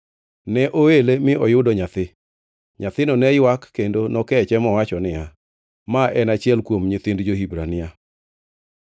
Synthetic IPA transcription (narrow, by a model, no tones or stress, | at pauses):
nɛʔoelemɪɔjʊdɔɲat̪ɪ | ɲat̪ɪnɔnɛjwakːendonɔkɛt͡ʃɛmɔwat͡ʃɔnɪa | maʔɛnat͡ʃɪɛlkwomɲɪt̪ɪndd͡ʒohibɾanɪa